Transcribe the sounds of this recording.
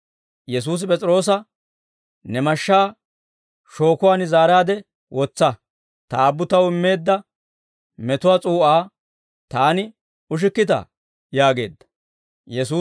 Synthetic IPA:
jɛs̬uːs̬ɪpʼɛt͡sʼɾo̞ːs̬ɐ | nɛmɐʃːaː | ʃo̞ːkʊwaːnɪzaːɾaːd̪ɛ | wʔɔt͡sːɐ | t̪ɐːbːʊt̪ɐwɪmːe̞ːd̪ːɐ | mɛt̪ʊwaːt͡sʼuːʔaː | t̪aːnɪ | ʊʃ̬ɪkːɪt̪ɐ̰ | jaːɡe̞̰ːd̪ːɐ | jɛsuː

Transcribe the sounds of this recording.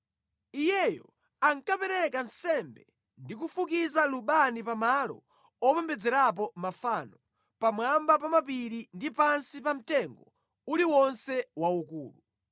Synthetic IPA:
ijɛjɔ̰ | aŋkapɛɾɛkansɛmbɛ | ndikufukizaluɓanipamalɔ̰ | ɔpɛmbɛd͡zɛɾap̬ɔmafanɔ | pamwambapamap̬iɾindipansipam̩tɛŋɡɔ | uliwɔnsɛwaukṵːlu

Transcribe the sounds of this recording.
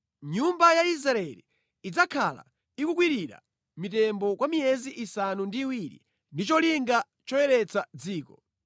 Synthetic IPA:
ɲumbajais̬ɾaɛlḭː | d͡zakʰala̰ | ikukwiɾiɾa̰ | mitɛmbɔkwamiɛziʔisanundiːwiɾḭ | ndit͡ʃɔliŋɡa | t͡ʃɔwɛɾɛt͡sad͡ziːkɔ

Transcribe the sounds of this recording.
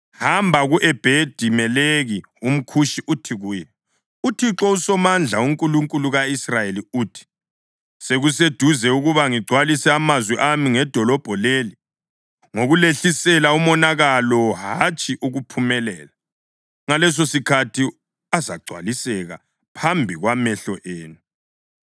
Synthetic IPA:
hambʱaɣuʔɛb̥ʱed̥ʱimɛleɣi | um̩kʰuʃiʔutʰiɣuːjɛ | utʰiǁɔusɔmand͡ɮʱauŋkʼuluŋkʼuluɣaisrajeliuːtʰi̥ | seɣus̬ed̥ʱuzɛuɣuβaŋiɡ͡ǀʱwalisɛamazwiʔamiŋɛd̥ʱɔlɔb̥ʱɔleːli | ŋoɣuleɬisɛlaumɔnaɣalɔɦat͡ʃʼiʔuɣupʰumɛlɛːla | ŋalɛs̬osikʰatʰi | aza̰ɡ͡ǀʱwa̰lisɛɣa̰ | pʰambʱiɣwamɛɬɔʔeːnu

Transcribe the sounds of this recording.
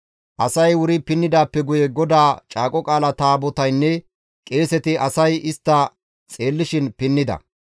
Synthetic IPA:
ʔɐsɐjwʊɾɪpɪnːɪd̪aːpːɛɡʊjɛɡɔd̪aːt͡ʃʼaːkʼɔkʼaːlɐt̪aːbɔt̪ɐjnːɛ | kʼe̞ːsɛt̪ɪʔɐsɐjɪst̪ːɐ | t͡sʼe̞ːlːɪʃɪnpɪnːɪd̪ɐ̰

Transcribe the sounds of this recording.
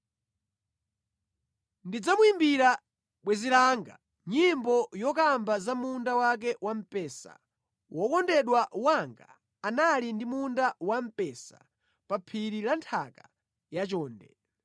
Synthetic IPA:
ndid͡zamuimbiɾa | ɓwɛzilaːŋɡa | ɲimbɔjɔkambazamundawak̬ɛwam̩pɛːsa̰ | wʔɔkɔndɛɗwawaŋɡa̰ː | nalindimundawam̩pɛsa̰ | papʰiɾilantʰaka | jat͡ʃɔːndɛ̰

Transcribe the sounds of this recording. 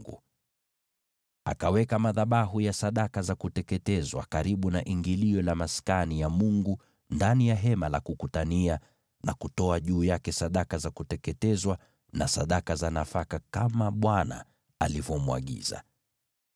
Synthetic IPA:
ɡṵ | a̰kawɛkamaðaɓaɦujasaɗakazakutɛkɛtɛzwa̰kaɾiɓunaʔiŋɡiliɔlamaskanijamuŋɡu | ndanijaɦɛmalakukutania | nakutɔaʄuːjakɛsaɗakazakutɛkɛtɛzwa | nasaɗakazanafakakamaɓwana̰ | alivɔmua̰ɠḭza̰

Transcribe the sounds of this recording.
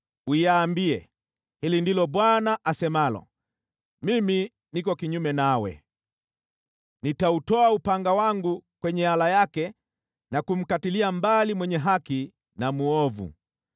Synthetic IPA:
uiaːmbiɛ | hilindilɔbwanaʔasɛmalɔ̰ | mimi | nikɔkiɲumɛnawɛ̰ | nitautɔaupaŋɡawaŋɡukwɛɲɛalajakɛ | nakum̩katiliambalimwɛɲɛɦaki | namuɔvṵ

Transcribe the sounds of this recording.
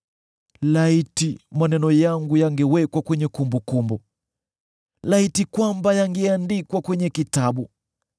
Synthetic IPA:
laitimanɛnɔjaŋɡujaŋɡɛwɛkwakwɛɲɛkumbukumbu | laitikwambajaŋɡɛandikwakwɛɲɛkitaɓu

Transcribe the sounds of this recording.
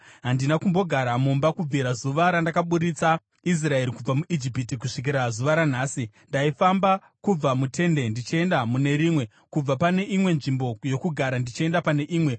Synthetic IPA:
ɦandinakumbo̞ɡʱaɾamumbakub͡vʱiɾazuʋaɾandakaɓuɾit͡sa | is̬rae̞ɾikub͡vamuʔid͡ʒipitikuʂik̬iɾazuʋaɾan̤aːsi | ndaifamba | kub͡vamutʰe̞nde̞ndit͡ʃie̞ndamune̞ɾimwe̞ | kub͡vapane̞ʔimwe̞nʐimbo̞jo̞kuɡʱaɾandit͡ʃie̞ndapane̞ʔiːmwe̞

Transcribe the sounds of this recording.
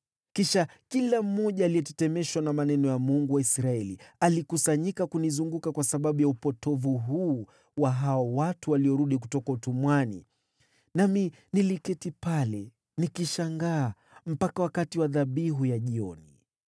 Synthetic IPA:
kiʃa | kilam̩ːɔʄaːlijɛtɛ̥tɛmɛʃwanamanɛnɔjamuŋɡuwaisɾaɛlialikusaɲikakunizuŋɡukakwasaɓaɓujaupɔtʰɔvuɦuː | waɦaɔwatuwaliɔɾuɗik̬utɔkautumwanḭ | nami | nilikɛtipalɛ | nikiʃaŋɡaː | m̩pakawakatiwaðaɓiɦujaʄiɔni

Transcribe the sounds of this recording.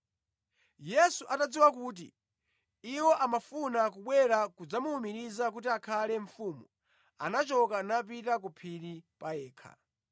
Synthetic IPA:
jɛsuʔatad͡ziwak̬uːt̬ḭ | iwɔʔamafunak̬uɓwɛɾakud͡zamuumiɾizakutiakʰalɛɱfumu | a̰nat͡ʃɔkanapitak̬upʰiɾipaɛːkʰa̰

